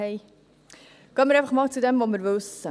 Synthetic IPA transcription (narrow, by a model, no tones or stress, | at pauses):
ɛɪ | kʰœːəmɪɾɛæɪfəχmɑːlt͡sud̪ɛmvomɪɾvɵsə